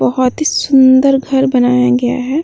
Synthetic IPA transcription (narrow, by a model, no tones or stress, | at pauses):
bɐɦɔt̪ɦisʊ̃nd̪əɾɡʱɐɾbɐnaːjaɡɐja̰ɦɛ